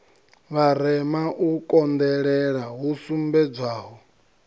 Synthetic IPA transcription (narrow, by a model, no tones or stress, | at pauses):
βaɾɛmaʔukʼɔnd̪ɛɺɛɺaɦusumbɛd͡zaːɦɔ